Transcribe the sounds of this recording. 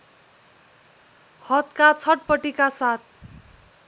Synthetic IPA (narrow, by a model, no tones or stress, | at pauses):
hʌt̪kat͡sʰʌʈ̚pʌʈikasat̪̚ʰ